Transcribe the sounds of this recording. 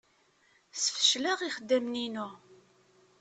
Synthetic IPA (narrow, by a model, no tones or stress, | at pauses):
sə̥fə̥ʃlaʁiχəd̪ːæmninu